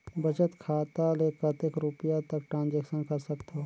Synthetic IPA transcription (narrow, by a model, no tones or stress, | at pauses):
bɐt͡ʃət̪kʰaːt̪aleːkət̪ekɾupijat̪ɐkʈɾãːnd͡ʒeːkʃənkɐɾsɐkt̪o